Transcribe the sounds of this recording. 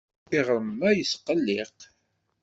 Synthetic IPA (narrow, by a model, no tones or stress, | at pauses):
iʁɾəmːæjəsqəlːɪq